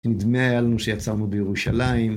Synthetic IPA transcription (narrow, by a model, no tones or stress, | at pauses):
nid̪meajalanuʃejat͡saʁnubejeʁuʃalaim